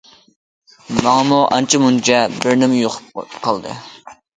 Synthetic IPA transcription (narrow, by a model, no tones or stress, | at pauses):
mɑŋɑmuʔɑ̰nt͡ʃʰimunt͡ʃʰɛbɪɾnɪmjoqʰʊ̥p̚qʰɑlˠd̪ɨ̰